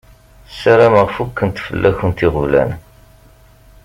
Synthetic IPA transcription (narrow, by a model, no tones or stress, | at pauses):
sæɾaməʁfukːənt̪fə̰lːæçənt̪iʁəvlæ̰n